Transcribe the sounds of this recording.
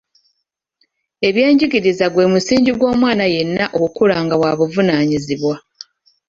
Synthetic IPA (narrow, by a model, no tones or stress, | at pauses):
e̞βje̞ːɲɟiɡiɾizaɡwe̞musiːɲɟiɡwo̞ːmwaːnaje̞nːaʔokukulaŋɡawaːβuvunaːɲiziβwa